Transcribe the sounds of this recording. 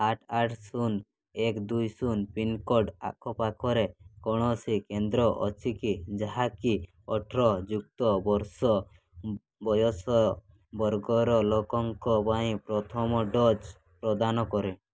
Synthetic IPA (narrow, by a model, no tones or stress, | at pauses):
aʈʰaʈʰsun | ɛkd̪ujsunpinkɔɾɖa̰kʰɔpakɔɾekɔɽ̃ɔsikend̪ɾɔʔɔt͡ʃʰikid͡ʒaɦaki | ɔʈʰɾɔd͡ʒuk̚t̪ɔbɔɾsɔ | bɔjɔsɔ | bɔɾɡɔɾɔlɔkɔŋkɔbaĩpɾɔt̪ʰɔmɔɖɔd͡ʒ | pɾɔd̪anɔkɔɾɛ